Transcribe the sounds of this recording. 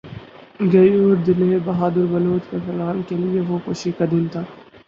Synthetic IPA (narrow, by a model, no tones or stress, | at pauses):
ɡɐjoːɾd̪ɪlebɐɦaːd̪əɾbɐloːd̪kefɐlaːlkelieʋokoːʃikad̪ɪnt̪ʰaː